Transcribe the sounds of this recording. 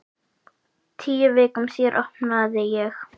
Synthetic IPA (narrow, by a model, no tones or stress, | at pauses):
t̪ʰiːɪveːkʏmsjɛɾʔɔhpnaːðɛjɛx